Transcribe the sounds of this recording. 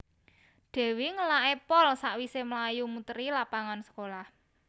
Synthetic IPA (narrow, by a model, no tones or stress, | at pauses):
ɖ̪̥ɛ̤wiŋəlaʔepɔlsaʔwiseməlajumut̪əɾilapaŋansə̥kolah